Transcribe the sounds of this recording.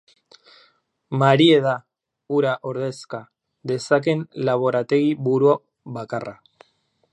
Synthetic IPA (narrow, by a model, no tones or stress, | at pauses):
maɾie̞ða | uɾaʔo̞ɾðe̞ska | ðe̞sake̞nlaβ̞o̞ɾat̪e̞ɣiβuɾua | βakara